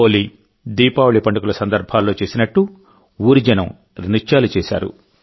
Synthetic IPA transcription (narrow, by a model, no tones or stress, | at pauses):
oːli | d̪iːpaːwuɭipɐɳɖɐkulɐsɐnd̪ɐɾbʱaːlːo̞ːt͡ʃe̞ːsinɐʈːu | uːɾid͡ʒɐnɐm | ɾnit͡ʃːaːlut͡ʃeːsa̰ːɾṵ